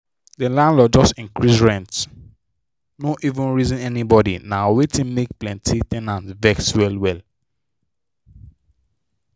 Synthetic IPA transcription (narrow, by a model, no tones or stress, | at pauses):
delãnlɔd͡ʒɔstĩŋkɹisɹɛ̃nt | noʔivũnɹizĩnɛnibɔdḭnawetĩnmek̚plɛ̃ntʰitɛ̃nãntvɛkswɛlwɛl